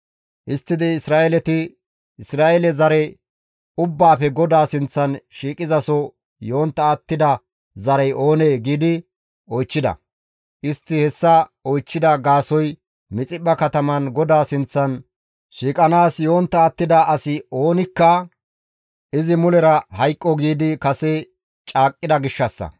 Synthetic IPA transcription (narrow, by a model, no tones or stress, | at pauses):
ʔɪst̪ːɪd̪ɪɪsɾaːʔɛlɛt̪ɪ | ɪsɾaːʔɛlɛzɐɾɛ | ʊbːaːpɛɡɔd̪aːsɪnt͡sːɐnʃiːkʼɪzɐsɔ | jo̞ːnt̪ːɐːt̪ːɪd̪ɐ | zɐɾɛjo̞ːneːɡiːd̪ɪ | ɔjt͡ʃːɪd̪ɐ̰ | ʔɪst̪ːɪhɛsːɐɔjt͡ʃːɪd̪ɐɡaːsɔj | mɪt͡sʼɪbːɐkɐt̪ɐmɐnɡɔd̪aːsɪnt͡sːɐn | ʃiːkʼɐnaːsjoːnt̪ːɐːt̪ːɪd̪ɐɐsɪo̞ːnɪkːɐ | ʔɪzɪmʊlɛɾɐhɐjkʼːɔɡiːd̪ɪkɐsɛ | t͡ʃʼaːkʼːɪd̪ɐɡɪʃːɐsːɐ̰